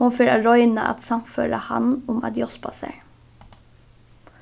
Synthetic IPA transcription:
ʊnfɪɾɑɹɔʏnəʔɑ̰t̪sɑmføːɾəhɑ̰nʊmɑ̰t̪jɔspɑsḛ

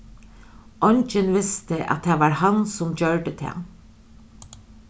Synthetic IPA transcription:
ʔɔnt͡ʃənʋɪst̪əʔɑ̰t̪̚heːʋɑːɹhɑnsʊmçøːɹɖət̪ʰḛ

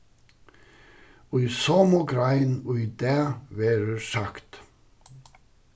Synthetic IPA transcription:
oːiːsoːmuːɡɾæɪnoːiːd̪æːʋeːɾəsɑkt̪

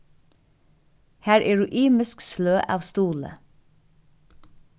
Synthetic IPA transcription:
hæːɹʔeːɹʉːʔiːmɪsksløːʔɑːʋst̪uːlə̰

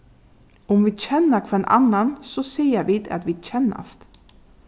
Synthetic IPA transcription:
ɔmʋiːçɛnːəkʰɔeːnʔa̰nːansɔsiːəɾʋiːd̪a̰t̪ʋiːɕɛnːa̰st̪

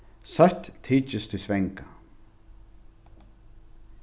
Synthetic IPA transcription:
sœht̪t̪ʰːiːt͡ʃɪst̪ʰɪsvɛŋka

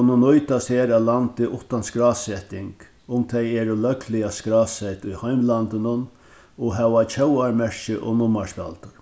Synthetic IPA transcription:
nːʊnɔjt̪asheːɾaðlant̪ɪʔʊht̪anskɾaːsɛt̪ɪŋk | ʊmt̪ʰɛjɛːɾʊlœklɪjaskɾaːsɛjt̪ʊjhajmlant̪ɪnʊn | ɔɦɛʋat͡ʃʰœwaɾmɛʂʃɪʔɔ̰nʊmaʂpa̰lt̪ʊɾ

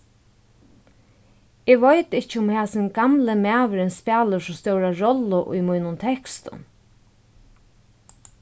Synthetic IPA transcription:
ɪʋɔjt̪ɪht͡ʃɪʊmhaːsɪnɡamləmæːʋəɾɪnspæːləʂʊst̪œwɾaɹɔlʊʔʊ̰jmujnʊnt̪ʰɛkst̪ʊ̰n

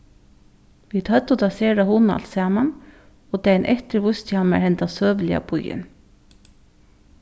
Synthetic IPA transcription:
ʋiːd̪hœt̪ːʊt̪ʰaseːɾahʊna̰lsɛːman | ɔt̪ɛnʔɛht̪ɪɾʋʊst̪hanmɛ̰hɛnt̪asøːʋlɪa̰pʊjɪ̰n

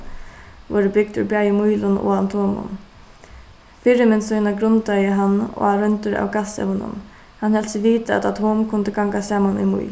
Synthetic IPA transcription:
ʋɔːɾɪbɪk̚t̪ʏbaːjɪmujlʊnɔ̰ant̪ʰɔːmʊ̰n | fɪɾɪmɛnsɔjnaɡɾʊnt̪ajəɦanːɔ̰aɾœnt̪ʊɾa̰wɡasɛ̰vənʊ̰n | hanhɛlt̪sɪʋiːt̪aɛ̰t̪at̪hɔːmkʰʊnt̪əɡaŋkasaːmanṵjmṵj

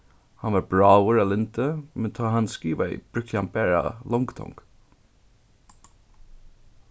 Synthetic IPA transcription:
hanʋaɹbɹaːwəɹalɪnt̪əmɛnt̪ʰɑːɦanskiːʋaḭb̥ɹʏkʰjambɛɹa̰lɔŋɡt̪ʰɔ̰ŋk

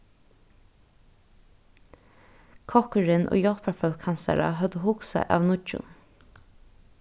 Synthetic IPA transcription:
kʰɔkʉɹɪnʔo̰ːjɔlpafœlkʰɑnsæ̰ɾɑ̰ɦœd̪əhʊksæ̰ʔɑːʋnʊt͡ʃʊ̰n

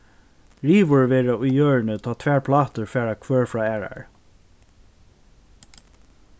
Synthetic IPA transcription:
ɹiːʋʊɹʋɛːɹaʊjjøːɹnət̪ʰɑːt̪ʰʋæːɹpʰlɑːt̪əɹfɛːɹakʰvœːɹfɹɑːɛːɹa̰ɹ

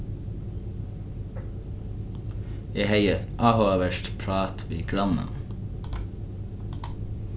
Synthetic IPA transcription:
jeːhæɪət̪ʔɑːhoːʋəʃʈpʰɹɑːt̪ʰʋiːɡɽɑnə̰n

